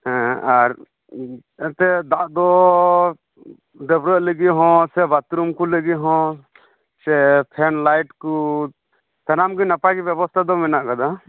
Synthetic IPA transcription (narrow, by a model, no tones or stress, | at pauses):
hɛ̃aɾ | ɛt̪ɛd̪aʔd̪ɔ | d̪ɛbɾəʔləɡiɦɔ̃sɛbat̪ɾumkuləɡiɦɔ̃ | sɛpʰɛnlajʈku | t̪anamɡinapaɡibjɛbɔst̪ʰad̪ɔmɛnaʔkad̪a